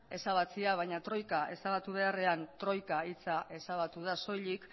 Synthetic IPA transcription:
e̞saβ̞at͡siaβ̞ajɲat̪ɾo̞jkaʔe̞̰saβat̪uβ̞e̞are̞ant̪ɾo̞jkait͡saʔe̞saβ̞at̪uðaso̞jʎik

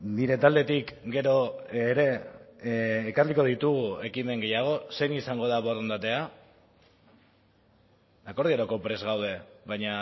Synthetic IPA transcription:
niɾe̞t̪ald̪e̞t̪ikɡe̞ɾo̞ɾe̞ | karliko̞ðit̪uɣue̞kime̞ŋɡe̞jaɣ̞o̞se̞nisaŋɡo̞ð̞aβoɾðond̪at̪e̞a | ako̞ɾðiaɾoko̞pɾe̞zɣawð̞e̞βajɲa

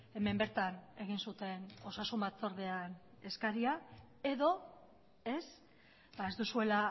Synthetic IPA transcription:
e̞me̞mbe̞ɾt̪ane̞ɣ̞insut̪e̞no̞sasumbat͡so̞ɾðean | e̞skaɾia | e̞ðo̞ | e̞s | bae̞zd̪usue̞la

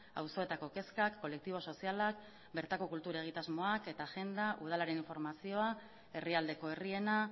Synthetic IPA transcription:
a̰wso̞e̞t̪ako̞ke̞skakːo̞le̞k̚t̪iβ̞o̞so̞sialak̚ | be̞ɾt̪ako̞kult̪uɾe̞ɣ̞it̪azmo̞ake̞t̪aʝe̞nd̪aʔuðalaɾe̞niɱfo̞ɾmasio̞a | e̞riald̪e̞ko̞e̞rie̞na

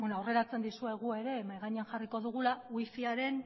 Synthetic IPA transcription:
enoawre̞ɾat͡se̞nd̪isue̞ɣ̞ue̞ɾe̞majɣaɲeanxariko̞ðuɣ̞ulawifiaɾe̞n

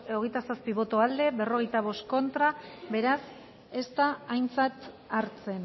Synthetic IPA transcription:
oɣejt̪asaspiβ̞o̞t̪oald̪e̞be̞ro̞ɣ̞e̞jt̪aβ̞o̞st̪ko̞nt̪ɾabe̞ɾas | e̞st̪aːjnt͡sat̪ | aɾt͡se̞n

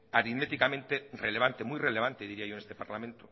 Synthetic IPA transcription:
aɾiðmet̪ikamẽnt̪ereleβ̞ant̪emujreleβ̞ant̪eðiɾiajoenest̪epaɾlamẽnt̪o

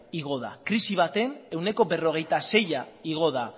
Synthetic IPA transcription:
iɣ̞o̞ða̰kɾisiβ̞at̪e̞ne̞wne̞ko̞be̞ro̞ɣ̞e̞jt̪ase̞jaiɣ̞o̞ð̞a

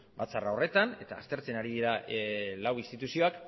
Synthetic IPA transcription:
bat͡sarao̞re̞t̪ane̞t̪aːst̪e̞ɾt͡senaɾiðiɾalawinst̪it̪usio̞ak

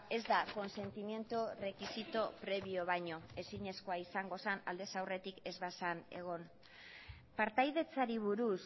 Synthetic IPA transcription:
e̞zd̪ako̞nse̞nt̪imje̞nt̪ure̞kisit̪opɾe̞βio̞β̞aɲo̞e̞siɲe̞sko̞aisaŋɡo̞sana̰ld̪e̞sawre̞t̪ike̞zβasane̞ɣ̞o̞n | paɾt̪ajðe̞t͡saɾiβ̞uɾus

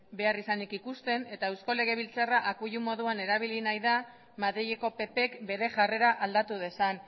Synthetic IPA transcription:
be̞arisanikikust̪e̞ne̞t̪aewsko̞le̞ɣ̞e̞β̞ilt͡saraʔakuʎumo̞ðuane̞ɾaβ̞ilinajða | maðɾijeko̞pe̞pe̞kbe̞ɾe̞ʝare̞ɾaʔald̪at̪uð̞e̞san

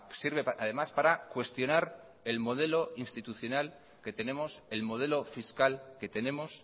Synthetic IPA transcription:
siɾβ̞e̞aðe̞maspaɾakwe̞st̪jo̞naɾ | e̞lmo̞ð̞e̞lo̞inst̪it̪uθjo̞nal | ke̞t̪e̞ne̞mo̞se̞lmo̞ð̞e̞lo̞fiskalke̞t̪e̞ne̞mo̞s

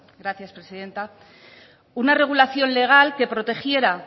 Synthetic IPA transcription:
ɡɾaθjaspɾe̞siðe̞nt̪a | unare̞ɣ̞ulaθjo̞nle̞ɣ̞alke̞pɾo̞t̪e̞xje̞ɾa

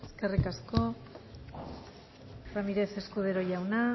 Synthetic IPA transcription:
eske̞rikasko̞ | ramiɾe̞se̞skuð̞eɾo̞ʝawna

